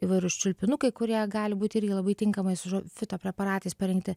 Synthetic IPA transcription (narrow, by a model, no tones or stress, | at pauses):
iʋɐɪɾʊst͡ʃʲʊlʲpʲɪnʊkɐɪkʊɾʲiɛɡɑːlʲɪbuːt̪ʲɪɪɾʲɡʲɪlˠɐbɐɪt̪ʲɪŋkɐmɐɪsʊʒofʲɪt̪oːpʲɾʲɛpɐɾɑːt̪ɐɪspɐɾʲɛŋkt̪ʲɪ